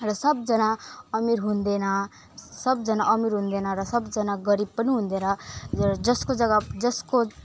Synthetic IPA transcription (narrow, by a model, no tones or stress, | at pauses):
ɾʌsʌbd͡ʒʌnaʌmiɾɦũnd̪ena | sʌbd͡ʒʌnaʔʌmiɾɦũnd̪enaɾʌsʌbd͡ʒənaɡəɾib̚pəniɦũnd̪ena | d͡ʒʌskod͡ʒʌɡad͡ʒʌsko